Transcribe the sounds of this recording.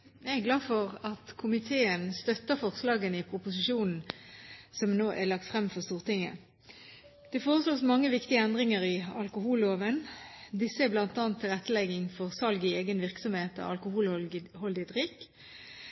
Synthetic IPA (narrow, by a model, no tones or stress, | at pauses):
jæɛɡlɑːfɔʁɑt̪kʰʊmɪt̪ʰeːənst̪œt̪ːəfɔʁslɑːɡənɪpʰʁʊpʊsɪʃuːnn̩ | sɔmnoːʔælɑk̚t̪fʁɛmfɔʁst̪uːʁt̪ʰɪŋːə̰ | d̪̥ɛfoːʁəsloːsmɑŋːəʋɪkt̪ɪəɛnd̪ʁɪŋəʁɪɑlkʊɦuːloːʋənd̪ɪsəæblɑnt̪ɑːnt̪ʰːɪlʁɛt̪ːəlɛɡɪŋfɔʁsɑlɡɪeːɡənʋɪʁksɔmheːt̪ɑ̰ɑlkʊhuːlhɔld̪ɪd̪ʁɪk